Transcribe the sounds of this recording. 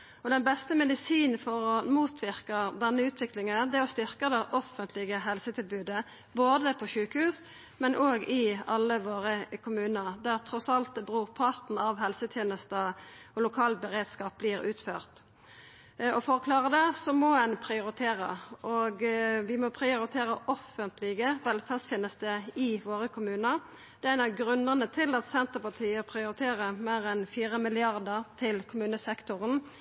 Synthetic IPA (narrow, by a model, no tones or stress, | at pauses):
ɔd̪ɛnbɛst̪əmɛd̪ɪsiːnfɔɾɔmuːt̪ʰʋɪʁkəd̪ɛnːəʉːt̪ʰʋɪklɪŋənd̪ɛɔst̪ʏɾkəd̪ɛʔɔfənt̪ʰlɪɡəɦɛlsət̪ʰɪlbʉːd̪ə | boːd̪əpʰɔʃʉːkəhʉːs | mɛnʔoːɡɪɑlːəʋoːɾəkʰʊmʉːnəʁd̪æʁt̪ʰɾɔsɑlt̪̚bʁuːʁpʰɑt̪n̩ɑʋɦɛlsət̪ʰjeːnəst̪ə | ɔlʊkʰɑːlbəʁeːd̪skɑːp̚bliːɾʉ̰ːt̪føːʁt̪ | ɔfɔʁkʰlɑːʁəd̪ɛsɔmɔɛnpʰʁɪʊɾɪt̪ʰeːʁə̰ʔɔɡʋɪmɔpʰʁɪʊɾɪt̪ʰeːʁəʔɔfənt̪ʰlɪɡəʋɛlfæʁst̪ʰjeːnəst̪əɪʋoːʁəkʰʊmʉːnə | d̪̥ɛæɪnɑɡʁʉnəʁnət̪ʰɪlɑt̪sɛnt̪əpɑt̪ʰiːəpʰʁɪʊɾɪt̪ʰeːʁəmeːʁɛnfiːʁəmɪlɪɑʁd̪əʁt̪ʰɪlkʰʊmʉːnəsɛkt̪ʊʁən